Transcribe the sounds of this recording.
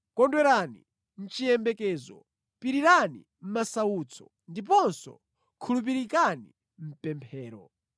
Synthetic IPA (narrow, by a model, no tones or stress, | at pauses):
kɔndwɛɾanḭ | n̩t͡ʃijɛmbɛkɛːzɔ̰ | piɾiɾani | m̩masauːt͡sʰɔ | ndip̬ɔnsɔ̰ | kʰulup̬iɾikanḭ | m̩pɛmpʰɛːɾɔ̰